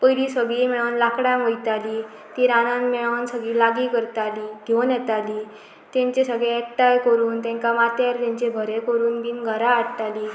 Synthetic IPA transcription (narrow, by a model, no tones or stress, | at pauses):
pəjlisəɡɭiːmiɭəwnlakɽãməjt̪ali | t̪iɾanãnmɛɭansəɡilaɡiːkəɾt̪aliːd̪̥ʱjownjɛt̪ali | t̪ẽɲt͡ɕesəɡɭek̚ʈajkəɾuːnt̪ɛ̃ŋkamat̪jaɾt̪ẽɲt͡ɕebʱəɾekəɾuːnbiːnɡʱəɾaːʈt̪ali